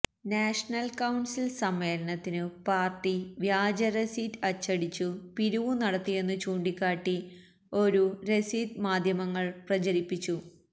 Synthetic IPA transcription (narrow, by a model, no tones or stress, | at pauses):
naːʂɐnɐlkɐwɳsilsɐmːe̞ːlɐɳɐt̪ːinɨpaːrʈiʋjaːd͡ʑɐɾɐsiːtːɐt͡ɕːɐɽit͡ɕːupiɾuʋunɐɽɐt̪ːije̞nːɨt͡ɕuːɳɖikʲːaːʈːi | o̞ɾuɾe̞siːd̪maːd̪ʱjɐmɐŋːɐɭprɐt͡ɕɐɾipːit͡ɕːu